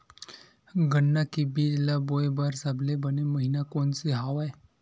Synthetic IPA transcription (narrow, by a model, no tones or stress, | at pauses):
ɡəɳːakibilabojbəɾsablebəneməɦinakont͡siɦaʋaj